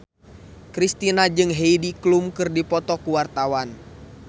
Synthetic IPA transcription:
kɾist̪inad͡ʒɨŋɦɛidiklumkɨrdipɔt̪ɔkuwart̪awan

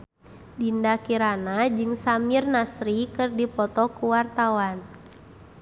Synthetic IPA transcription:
dindakiɾanad͡ʒɨŋsamirnasɾikɨrdipɔt̪ɔkuwart̪awan

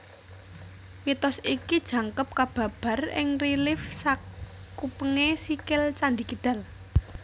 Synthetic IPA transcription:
mit̪ɔsikid̥ʒ̥ä̤ŋkəp̚kab̥ä̤b̥a̤rɪŋrilɪfsakupəŋesikɪlt͡ʃandikid̥a̤l

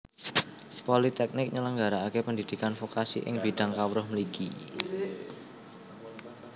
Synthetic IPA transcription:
polit̪ɛk̚nɪk̚ɲələŋɡaɾaːkepəndid̪̥i̤kanfokasḭʔɪ̰ŋbi̤ɖ̥a̤ŋkawɾʊhməliɡḭ

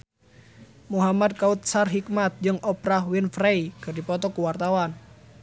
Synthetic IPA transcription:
muɦamad̪̚kaut̪̚sarɦikmat̪̚d͡ʒɨŋɔpɾahwinfreikərdipɔt̪ɔkuwart̪awan

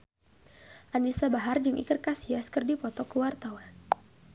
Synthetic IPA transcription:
ʔandisabaɦard͡ʒɨŋʔḭkərkasiaskɨrdipɔt̪ɔkəwart̪awan

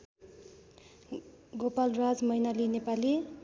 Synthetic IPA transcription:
ɡopalrad͡zmʌjnalinepali

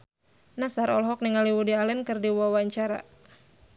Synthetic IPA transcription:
nasaɾɔlɦɔk̚niŋaliwudialɛnkɨrdiwawaɲt͡ʃaɾa̰

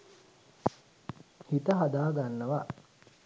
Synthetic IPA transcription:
hit̪əɦad̪aːɡanːəʋa

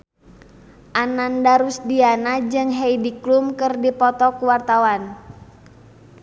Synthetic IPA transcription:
ʔanandaɾusdianad͡ʒɨŋɦeidiklumkɨrdipɔt̪ɔkuwart̪awan

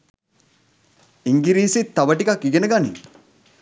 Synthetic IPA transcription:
iŋɡiɾiːsit̪ːɐʋəʈikakːiɡenəɡanḭ

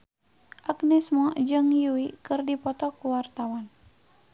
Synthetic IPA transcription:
ʔaɡnɛsmɔd͡ʒɨŋjuwikɨrdipɔt̪ɔkuwart̪awan

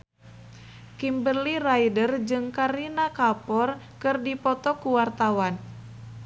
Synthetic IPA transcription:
kimbərliraidərd͡ʒɨŋkaɾinakapɔr | kɨrdipɔt̪ɔkuwart̪awan

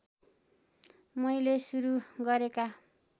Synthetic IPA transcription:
mʌjlesuɾuɡʌɾeka

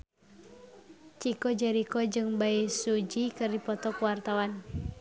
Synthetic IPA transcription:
t͡ʃikɔd͡ʒaɾikɔd͡ʒɨŋbaisud͡ʒikɨrdipɔt̪ɔkuwart̪awan

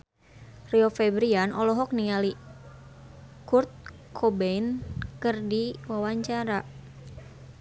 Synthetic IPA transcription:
riɔfɛbɾianʔɔlɔɦɔk̚niŋali | kurt̪̚kʰɔbɛnkɨrdiwawaɲt͡ʃaɾa

